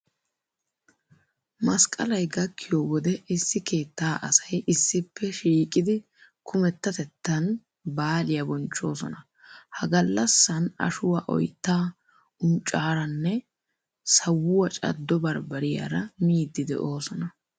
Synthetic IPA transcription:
mɐskʼɐlɐjɡɐkʰːɪjowɔd̪ɛɪsːɪke̞ːt̪ːaːʔɐsɐjʔɪsːɪpːɛʃiːkʼɪd̪ɪ | kʰʊmɛt̪ːɐt̪ɛt̪ːɐn | baːlɪjɐbɔnt͡ʃːo̞ːsɔnɐ | hɐɡɐlːɐsːɐnɐ̰ʃʊwaːʔɔ̰jt̪ːaː | ʊnt͡ʃʼaːɾɐnːɛ | sɐwːʊwɐt͡ʃʼɐ̰d̪ːɔbɐɾbɐɾɪja̰ɾɐmiːd̪ːɪd̪ɛ̰ʔo̞ːsɔnɐ

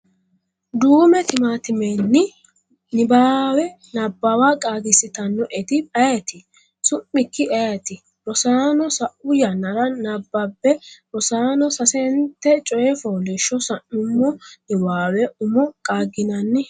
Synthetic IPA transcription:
d̪uːmɛt̪ɪmaːt̪ɪmenːɪ | nɪbaːwɛ | nɐbːawaːkʼaːɡɪsːɪt̪ɐnːɔʔɛt̪ɪpʼɐjɛt̪ɪ | sʊmːɪkːɪʔɛjɐt̪ɪ | ɾɔsaːnɔsɐʔʊjɐnɐɾɐnɐbːɐbːɛbɔsaːnɔsɐsɛnt̪ːɛt͡ʃʼɔjɛfoːlɪʃːɔsɐnːʊmːɔnɪbaːwɛʊmɔkʼaːɡɪnɐnːɪ

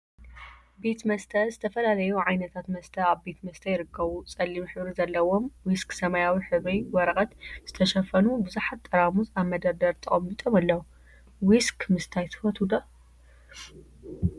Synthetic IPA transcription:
be̞t̪mɐst̪ʰɐzɨt̪ʰɐfɐlalɐjuʕajnɐt̪ʰat̪mɐst̪ʰɐaβbe̞t̪mɐst̪ʰɐjɪɾɨkʰːɐβut͡sʼɐlːimuħɨβɾizɐlːɐwo̞mwisksɐmajawiħɨβijwɔɾɐkʼɐt̪z̥ɨt̪ʰɐʃɐfɐnubɨzuħat̪ʼːɐɾamuzaβmɐd̪ɐɾd̪ɐɾt̪ʰɨχʼɐmbit̪ʼomalːɐwu | wiskmɨst̪ʰajt̪ʰɨ̥fɐt̪ʰud̪ɐ

